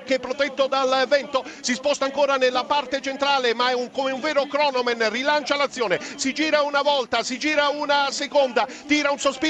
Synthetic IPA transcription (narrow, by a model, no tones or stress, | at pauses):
k̟epːɾot̪ɛt̪ːod̪alvɛnt̪osispɔst̪aŋkoːɾanelːapart̪et͡ʃent̪ɾaːlemaɛuŋkomeuɱvɛːɾokɾɔːnomenrilant͡ʃalat̪sːjoːnesid͡ʒiːɾaunavɔlt̪asid͡ʒiːɾaunasekond̪a | t̪iːɾaunsospi